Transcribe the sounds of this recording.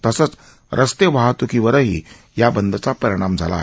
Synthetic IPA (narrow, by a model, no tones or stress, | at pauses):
t̪əsət͡s | ɾʔəst̪eʋaɦat̪ukiʋəɾəɦḭː | jabənd̪ʱət͡sapəɾiɽ̃amd͡zʱa̰la̰ːɦ